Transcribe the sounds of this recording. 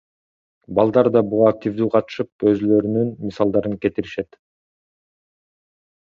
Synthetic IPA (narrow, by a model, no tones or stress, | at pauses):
bɑlˠd̪ɑɾd̪ɑbuʁɑːk̚t̪ʲivd̪yːqʰɑt̪ɯ̥ʃɯp̚ø̞zylø̞ɾynynmisɑlˠd̪ɑɾɯŋke̞t̪iɾiʃet̪